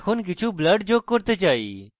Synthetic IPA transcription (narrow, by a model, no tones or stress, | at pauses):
kʰʊnk̬ɪt͡ʃʰuːbləɖd͡ʒoːɡ̚kːoɾt̪eːt͡ʃaːḭː